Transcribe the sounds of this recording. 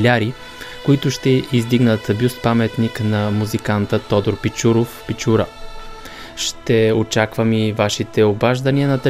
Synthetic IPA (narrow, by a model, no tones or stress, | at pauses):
lʲaɾi | koit̪ʊʃt̪ɛizd̪iɡnət̪bʲust̪pamɛt̪niknɐmuzikant̪ət̪ɔd̪oɾpit͡ʃuɾofpit͡ʃuɾə | ʃt̪ɛot͡ʃakvəmivaʃit̪ɛobaʒd̪ɐniɐnɐt̪ɛ